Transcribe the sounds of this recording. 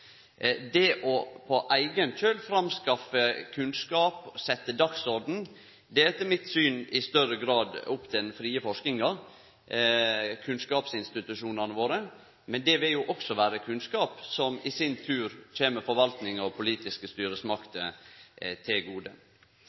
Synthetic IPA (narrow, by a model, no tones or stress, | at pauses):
d̪ɛʔɔpʰɔʔæɪɡənt͡ʃøːlfɾɑmskɑfəkʰʉnskɑːpsɛt̪ːəd̪ɑksɔɾd̪n̩ | d̪ɛɛt̪ːəmɪt̪syːnɪst̪œɾəɡɾɑːd̪ʊpːt̪ʰɛnfɾiːəfɔʂknɪŋɑɾ | kʰʉnskɑːpsɪnst̪ɪt̪ʉʂuːnɑnəʋoːɾə | mɛnd̪ɛʋɪljʊʔɔksɔʋæːɾəkʰʉnskɑːpsɔmɪsɪnt̪ʰʉːɾc͡çeːməfɔɾʋɑlt̪nɪŋɑʋpʰʊliːt̪ɪskəst̪yːɾəsmɑkt̪ə | t̪ʰɪlɡuːd̪ə